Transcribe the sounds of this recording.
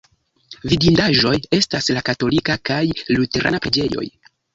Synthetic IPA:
vidindaʒo̞je̞staslakato̞likakajlute̞ɾa̰napɾed͡ʒe̞jo̞̰j

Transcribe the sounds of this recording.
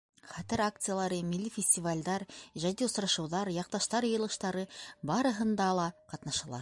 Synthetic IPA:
χæt̪ɘɾak̚t̪sɨjalˠɑɾəmilːifʲɪsʲtʲivalʲd̪ɑɾʒæd̪iosɾɑʃɤ̆wðɑɾjɑq̚t̪ɑʃt̪ɑɾjɤ̆jɤ̆lˠɤ̆ʃt̪ɑɾɤbɑɾɤ̆ɦɤ̆nd̪ɑlˠɑqɑt̪nɑʃɑlˠɑ̰ɾ

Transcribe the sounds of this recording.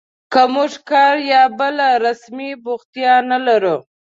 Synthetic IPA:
kamʊʐkɑɾjɑbəlaɾasmibʊɣt̪jɑnalaɾu

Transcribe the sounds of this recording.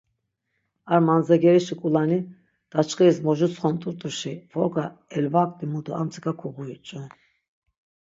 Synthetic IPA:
aɾmanzaɡɛɾiʃukʼulani | d̪̥at͡ʃχiismɔʒusʼχɔnt̪ʼuɾt̪ʼuʃivɔɡaɛlvakʼt̪ʼimud̪uamt͡sʰi̥kʼakʰɔɡuit͡ʃʼu

